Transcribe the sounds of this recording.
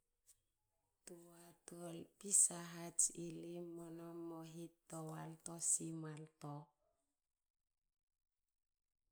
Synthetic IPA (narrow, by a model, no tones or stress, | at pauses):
t̪uat̪ɔlpisaɦad͡ʒilimːɔnɔmɔɦit̪ːɔwalt̪ɔsimalt̪ɔ